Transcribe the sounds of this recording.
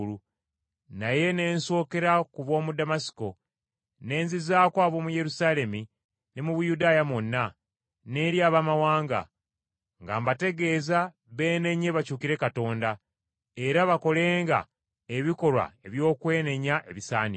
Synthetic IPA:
lu | naje̞ne̞ːnso̞ːke̞ɾakuβo̞ːmudamasi̥ko̞ | ne̞ːnzizaːkwaːβo̞muje̞ɾusaːle̞mi | nemuβujudaːjamonːa | ne̞ːɾjaːβamawaːŋɡa̰ | ŋɡa̰mbate̞ɡe̞ːza | βe̞ːne̞ɲːe̞βacuːkiɾe̞kato̞ːnda | e̞ɾaβako̞le̞ːŋɡa̰ | e̞βiko̞lwa̰e̞βjo̞ːkwe̞ːne̞ɲaʔe̞̰βisaːnḭ

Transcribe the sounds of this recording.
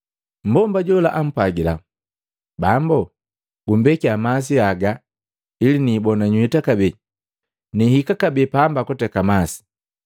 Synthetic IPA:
m̩bɔmbaɟɔlaʔam̩pwaɡila̰ | bambɔ | ɡum̩bɛkiamas̬iaɡa | ilinibɔnaɲuitakabɛ | nihikakabɛpaːmbakɔtɛkamasi̥

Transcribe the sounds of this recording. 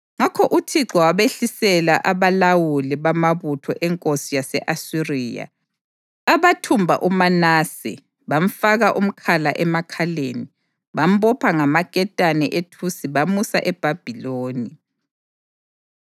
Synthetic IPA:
ŋakʰɔʔutʰiǁɔwaβeɬisɛlaʔaβalawulɛβamaβutʰɔʔɛŋkʼosijasɛʔasiriːja̰ | aβatʰumbʱa̰ʔumanaːsɛ̰ | βam̩faɣaʔum̩kʰala̰ʔɛmakʰaleːni | βam̩bɔpʰaŋamakʼɛtʼanɛʔetʰusiβamusa̰ʔɛb̥ʱab̥ʱiloːni

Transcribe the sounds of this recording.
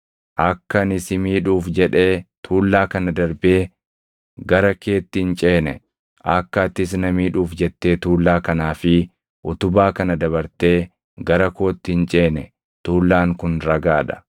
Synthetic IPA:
ʔɐkːɐnɪsɪmiːᶑuːfd͡ʒɛᶑe̞ːt̪ʰuːlːaːkɐnɐd̪ɐɾbe̞ː | ɡɐɾɐke̞ːt̪ːɪɪnt͡ʃʼe̞ːnɛ̰ | ʔɐkːɐːt̪ːɪs̬nɐmiːᶑuːfd͡ʒɛt̪ːe̞ːt̪uːlːaːkɐnaːfɪ | ʔʊt̪ʊbaːkɐnɐd̪ɐβɐɾt̪e̞ː | ɡɐɾɐkoːt̪ːɪɪnt͡ʃʼe̞ːnɛ | t̪uːlːaːŋkʊnɾɐɡaːᶑɐ̥

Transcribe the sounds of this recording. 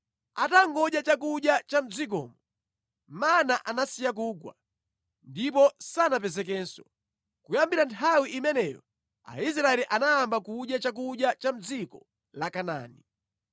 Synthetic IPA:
ataŋɡɔɗjat͡ʃak̬uɗjat͡ʃam̩d͡zik̬ɔ̰ːmɔ | manaʔanasijak̬uːɡwa̰ | ndip̬ɔsanap̬ɛzɛk̬ɛːnsɔ | kujambiɾantʰawiʔimɛnɛjɔ̰ | a̰is̬ɾaɛliʔanajambakuɗjat͡ʃak̬uɗjat͡ʃam̩d͡zikɔ | lakana̰ːni

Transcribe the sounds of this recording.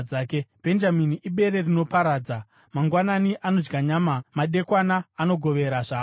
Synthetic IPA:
aːkeb̥ʱe̞nd͡ʒaminiʔiɓe̞ɾe̞rino̞paɾaːd͡za | maŋɡwananiʔano̞d͡ʒɡaɲaːmamaɗe̞kwanaːno̞ɡʱo̞ʋe̞ɾaʐaː

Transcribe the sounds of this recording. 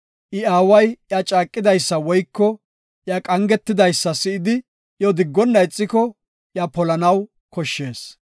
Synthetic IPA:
ʔɪaːwɐjjat͡ʃʼaːkʼːɪd̪ɐjsːɐwɔjkːɔ | ʔjakʼɐŋɡɛt̪ːɪd̪ɐjsːɐsɪɪd̪ɪ | jɔd̪ɪɡːɔnːɐɪt͡sʼːɪkɔ | ʔjapɔlɐnɐw | kɔʃːe̞ːs

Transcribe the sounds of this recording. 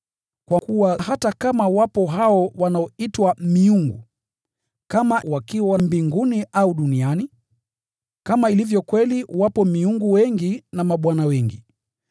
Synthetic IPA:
kwakuwahatakamawapɔɦaɔwanaɔitwamiuŋɡṵ | kamawakiwawambiŋɡuniʔauɗuniani | kamailivjɔkwɛliwapɔmiuŋɡuwɛŋɡinamaɓwanawɛŋɡi

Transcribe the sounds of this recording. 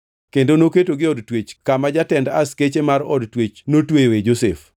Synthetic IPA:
kendonoketoɡɪɔdtwet͡ʃkamad͡ʒatɛnda̰sket͡ʃemaɾɔ̰dtwet͡ʃnotwejoed͡ʒosef

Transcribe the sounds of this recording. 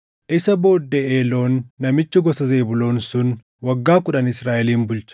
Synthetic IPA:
ʔɪsɐbo̞ːd̪ːeeːlo̞ːnːɐmɪt͡ʃːʊɡɔsɐzeːbʊlo̞ːnsʊn | wɐɡːaːkʊᶑɐnɪsɾaːʔɛliːmbʊlt͡ʃɐ̥

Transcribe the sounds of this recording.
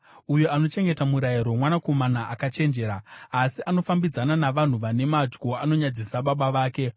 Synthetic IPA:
ujo̞ano̞t͡ʃe̞ŋɡe̞tamuɾajiɾo̞mwanako̞manaʔakat͡ʃe̞nd͡ʒe̞ːɾaːsiʔano̞fambid͡zananaʋan̤uʋane̞mad͡ʒɡo̞ano̞ɲad͡zisaɓaɓaʋaːke̞

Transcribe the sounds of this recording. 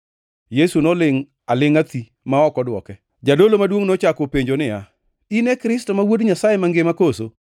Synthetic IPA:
jesunɔlɪŋ | alɪŋat̪i | maɔkɔdwɔkɛ | d͡ʒadolomadwoŋnot͡ʃakopeɲd͡ʒonɪja | inɛkɾɪstɔmawodɲasajɛmaŋɡɪmakoso

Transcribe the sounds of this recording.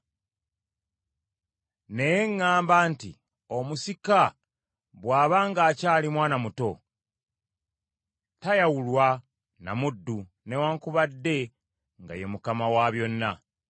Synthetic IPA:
ne̞jeŋːaːmbaːntḭ | omusika | βwaːβaːŋɡaːcaːlimwaːnamuto̞ | tajawulwa | na̰mudːu | newaːŋkuβadːe̞ | ŋɡa̰jemukamawaβjo̞nːa

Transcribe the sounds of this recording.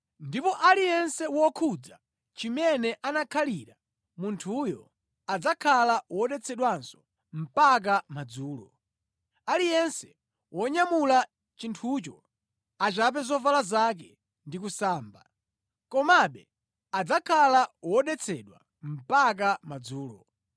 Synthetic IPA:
ndipɔʔalijɛnsɛwɔkʰud͡za | t͡ʃimɛnɛʔanakʰaliɾa | muntʰujɔ | ad͡zakʰalawɔɗɛt͡sʰɛɗwansɔ̥ | m̩pak̬amad͡zuːlɔ̰ | alijɛnsɛ̥ | wʔɔɲamula | t͡ʃintʰut͡ʃɔ | at͡ʃap̬ɛzɔvalazak̬ɛ | ndikusaːmba | kɔmaɓɛ | ad͡zakʰalawɔɗɛt͡sʰɛɗwa̰ | m̩pak̬amad͡zuːlɔ̰

